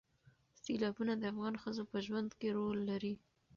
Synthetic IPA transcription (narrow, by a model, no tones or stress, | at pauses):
silɑbunad̪əafɣɑnxəzopəʒwand̪keɾolːaɾi